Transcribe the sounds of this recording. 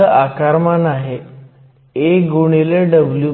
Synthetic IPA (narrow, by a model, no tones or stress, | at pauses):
əʔakaɾmanaɦe | eɡuɳ̃ileɖəblju